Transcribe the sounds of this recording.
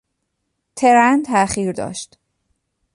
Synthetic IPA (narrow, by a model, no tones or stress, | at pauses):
t̪ʰeɾænt̪ʰæχiːɾd̪ɒ̰ːʃt̪